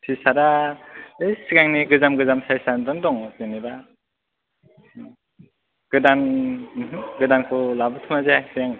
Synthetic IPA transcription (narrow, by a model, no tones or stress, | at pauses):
sʰisaɾa | ɯjsiɡaŋniɡɯzamɡɯzamsajsandɔndɔŋzeniba | ɡ̥ɯdanɦɯɡɯdankʰɔlabɯt̪ʰɯmazeasijaŋ